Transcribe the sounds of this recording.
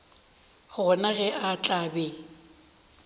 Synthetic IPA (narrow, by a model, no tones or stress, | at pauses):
ɣʊɣɔnaɣɛʔat͡ɬʼaːbɛ